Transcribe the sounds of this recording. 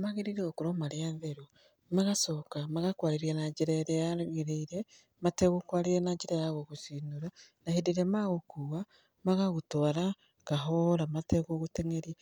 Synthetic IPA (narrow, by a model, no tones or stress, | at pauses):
maɣiɾiɾeokuɾomaɾianðeɾo | maɣasokamaɣakwaːɾiɾenaɟiɾeɾeaɣiɾeiɾe | mateɣokwaːliɾenaɟiɾeɾaɣoɣusinuɾanahidiɾemaɣokuwa | maɣaɣutoɾa | kaɦoɾamatekoɣuteŋeɾie